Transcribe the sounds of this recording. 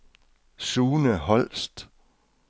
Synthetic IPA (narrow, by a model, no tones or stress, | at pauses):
suːnəhɒ̽l̰sd̥